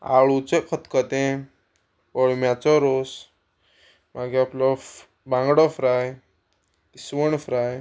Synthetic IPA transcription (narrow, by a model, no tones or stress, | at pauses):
a̰ɭut͡sekʰət̪kət̪ẽ | pəɭmjat͡sɔɾos | maɡeaplɔ | bãŋɡɽɔfɾaj | t̪isʋəɳfɾaj